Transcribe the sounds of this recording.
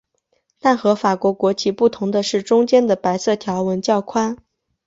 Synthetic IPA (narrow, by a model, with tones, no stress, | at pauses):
t̪a˥˩nxɤ˧˥fa˨˩kwɔ˧˥kwɔ˧˥t͡ɕʰi˧˥pu˥˩t̪ʰʊ˧˥ŋd̪ə˧ʂɻ̩˥˩ʈ͡ʂʊ˥ŋt͡ɕjɛ˥nd̪ə˨pa˧˥ɪsɤ˥˩t̪ʰjɑ˧˥ʊwə˧˥nt͡ɕjɑ˥˩ʊkʰwa˥n